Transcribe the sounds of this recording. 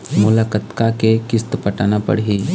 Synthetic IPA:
mʊlakət̪kakekɪst̪pəʈaːnapɐ̰ɽɦi

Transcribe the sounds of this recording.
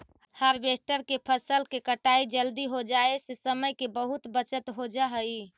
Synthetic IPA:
həɾbesʈəɾkepʰəsəlkekəʈaid͡ʒəld̪iɦod͡ʒaesesəməjkebəɦut̪bət͡ʃət̪ɦod͡ʒaɦəi

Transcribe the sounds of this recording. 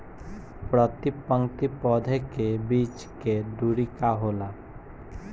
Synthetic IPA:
pɾət̪ipə̃ŋkt̪ipɔːd̪ʱekebiːt͡ʃ | ked̪uːɾikaɦoːla

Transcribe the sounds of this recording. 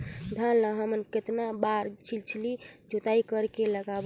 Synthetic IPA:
d̪ʱanlaɦəmənket̪nabaɾt͡ʃʰilt͡ʃʰilid͡ʒot̪aikəɾkeləɡab

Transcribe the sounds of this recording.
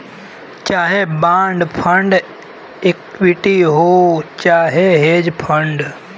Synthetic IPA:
t͡ʃaːɦebãːɳɖpʰəɳɖ | ekwiʈiɦoːt͡ʃaːɦeɦeːd͡ʒpʰəɳɖ

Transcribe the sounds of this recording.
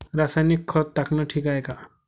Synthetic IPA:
ɾasajnikʰːɔt̪ːakʰnɔʈʰikaeka

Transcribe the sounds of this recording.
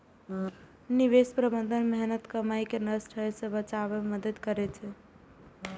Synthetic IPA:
niʋespɾəbənd̪ʱənmɛɦnət̪kəmajkenəsʈʰəesə̃bət͡ʃabeməd̪əd̪kəɾɛt͡ʃʰɛ

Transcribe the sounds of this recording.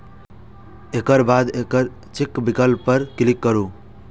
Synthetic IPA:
ekəɾbad̪ekəɾ | t͡ʃikbikəlpəɾkilikːəɾu

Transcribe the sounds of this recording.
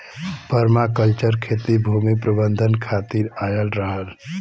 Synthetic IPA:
pəɾmakəlt͡ʃəɾkʰeːt̪ibʱumipɾəbənd̪ʱənkʰaːt̪iɾaːjəlɾəɦəl

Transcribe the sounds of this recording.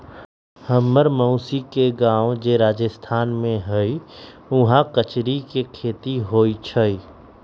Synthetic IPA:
həmːəɾməʊsikeɡãːõd͡ʒeːɾaːd͡ʒəst̪ʰaːnmẽɦəi | ʊɦãkət͡ʃɾikekʰeːt̪iɦoːit͡ʃʰəiː

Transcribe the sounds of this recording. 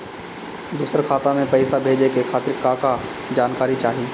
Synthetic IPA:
d̪uːsəɾkʰaːt̪amẽpɐɪsabʱeːd͡ʒekekʰaːt̪ɾɪkːaːka | d͡ʒaːnkaːɾit͡ʃaːɦiː

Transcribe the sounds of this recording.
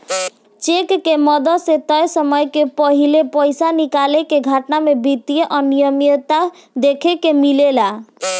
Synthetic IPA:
t͡ʃekːemɔd̪ɔset̪ɔjsɔmɔjkepɔɦilepɔjsanikalekeɡʱaʈnamebʱit̪ieʔɔnijɔmiɔt̪a | d̪ekʰekemilela

